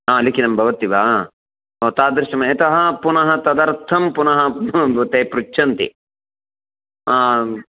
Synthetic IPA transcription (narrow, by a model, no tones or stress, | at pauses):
ɦãːleːkinɐmbʱɐʋɐt̪iʋa | oːt̪aːd̪ɾʃɐmɐet̪ɐɦɐpunɐɦɐt̪ɐd̪ɐɾt̪ʰɐmpunɐɦɐt̪eːpɾut͡ʃːʃʰɐnt̪ḭ | a